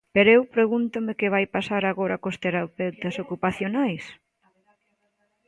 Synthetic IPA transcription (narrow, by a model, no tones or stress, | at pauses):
peɾoewpɾeɣunt̪ʊmɪkeβajpasaɾaɣoɾɐkost̪eɾapewt̪ɐsokupaθjonajs